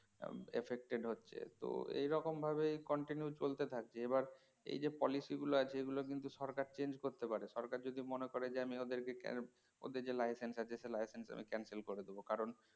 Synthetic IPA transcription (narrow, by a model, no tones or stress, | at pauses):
ḛfek̚ʈeɖɦotːɕʰḛt̪o̰ḛjɾɔkombʱabejkɔɳʈinjut͡ɕolt̪et̪ʰak̚t͡ɕʰeebaɾ | ḛjd͡ʑepɔlisiɡuloat͡ɕʰeeɡulok̬int̪uʃɔɾkaɾt͡ɕend͡ʑkoɾt̪epaɾeʃɔɾkaɾd͡ʑod̪ʱimonekoɾed͡ʑeamiod̪eɾkekɛ̰ | o̰d̪eɾd͡ʑelajsensat͡ɕʰeʃelajsensa̰mḭkɛnselkoɾed̪ebokaɾon